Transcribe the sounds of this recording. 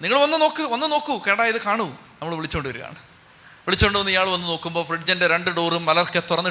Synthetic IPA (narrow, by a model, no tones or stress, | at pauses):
niŋːɐɭʋɐnːɨno̞ːkːɨʋɐnːɨno̞ːkːuke̞ːɐɽaːjɐðɨkaːɳunɐmːɐɭʋiɭit͡ɕːuoɳɖɨʋɐɾuɣa̰ːɳɨ | ʋiɭit͡ɕːoɳɖɨʋɐnːɨijaːɭʋɐnːɨno̞ːkːumbo̞ːfriɖd͡ʑɐndeɾe̞ɳɖɨɖoːrumːɐlɐkːet̪urɐnːɨ